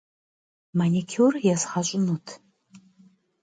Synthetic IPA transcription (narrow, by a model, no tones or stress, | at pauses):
manʲikʲʰurjasχaɕʷʼʊnutʰ